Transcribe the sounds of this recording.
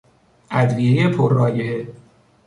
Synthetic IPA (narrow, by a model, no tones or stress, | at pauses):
ʔæd̪viːijepʰorːɒːjee